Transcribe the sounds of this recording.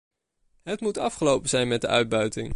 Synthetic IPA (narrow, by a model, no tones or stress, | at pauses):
ɦətmutɑfχəlowpənzɛjnmɛt̚dəʔœɥd̚bœɥtɪŋ